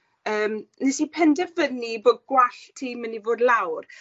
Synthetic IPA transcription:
əːmnesipʰɛndəvəniboːd̚ɡwaɬtʰiːmənivoːdlˠawr

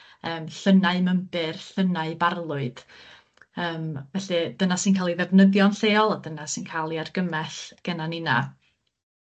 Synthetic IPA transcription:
əːmɬənaɨməmbɨrɬənaɨbarlˠʊɨd̥ | əːmvɛɬɨd̥ənasinkʰaːlˠiðɛvnəðjɔnɬeːɔlˠadənasɨnkʰaːlˠiarɡəmɛɬɡ̥ɛnanɪna̰

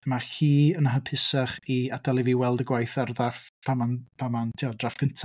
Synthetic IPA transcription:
maxiːənaɦəpʰɪsaχiad̥alˠiviwɛlˠdəɡwajθarðafpʰamanpʰamantʰiɔdrafɡ̥əntʰa

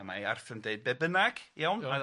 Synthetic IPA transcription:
maa̰rθəndeɨd̚bɛbənaɡ̥jawna

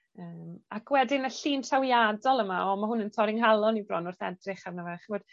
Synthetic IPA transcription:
əːmakʰwɛdɪnaɬiːntʰawjadɔlˠəmaɔmaɦʊnəntʰɔɾɪŋɦalˠɔnibrɔ̰nʊrθɛ̰drɪχarnavaχəvod̥

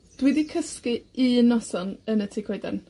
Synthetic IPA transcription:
d̥widikʰəskɨinɔsɔnənətʰikʰwejdɛ̰n

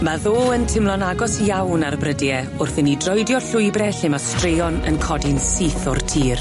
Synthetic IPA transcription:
maðoːəntʰɪmlˠɔnaɡɔsjawnarbrədjɛ | ʊrθɪnidrɔjdjɔɬʊjbrɛɬɪmastrejɔnə̰nkʰɔdɪnsiːθɔrtʰiːr

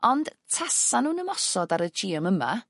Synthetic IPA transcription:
ɔnd̥tʰasanuːnəmɔsɔdaɾəd͡ʒiːəməma̰

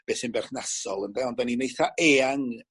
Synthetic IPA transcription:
b̥eːsɪnbɛrθnasɔlˠəndɛɔndaninejθaʔeːaŋ

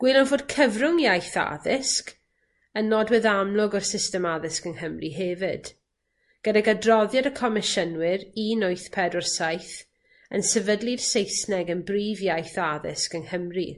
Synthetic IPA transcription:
ɡ̥ilˠɔnvoːd̥̚kʰəvrʊŋjajθa̰ðɪsk | ənːɔdwɛðamlˠʊɡɔrsɪstɛmaðɪskənhəmriɦɛvɪd̥ | ɡ̥ədaɡadrɔðjadəkʰɔmɪʃənwɪɾinʊɨθpʰɛdɔrsajθ | ə̰nsɛvədlˠɨd̥sejsnɛɡənbriːvjajθaðɪ̰skənhəmri

